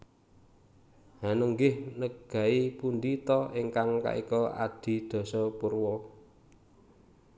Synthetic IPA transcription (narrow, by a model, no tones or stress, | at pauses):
hanəŋɡɪhnəɡ̥a̤ipund̪it̪ɔeŋkaŋka̰ʔḭkɔa̰d̪̥i̤d̪̥ɔ̤sɔpurwɔ